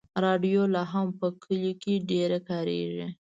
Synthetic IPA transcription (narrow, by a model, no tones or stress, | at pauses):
ɾɑɖjolɑɦampəkʰəlokeɖeɾakɑɾḛʐi